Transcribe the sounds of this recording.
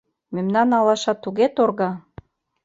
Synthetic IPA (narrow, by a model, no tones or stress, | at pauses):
memnɑnɑlɑʃɑt̪ːuɣet̪orɣɑ